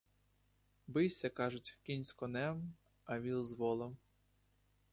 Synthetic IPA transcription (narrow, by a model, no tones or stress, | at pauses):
bɪwsʲɐkɑʒʊtʲkʲinʲsʲkɔnɛm | ɐʋʲilˠzʋɔlˠɐm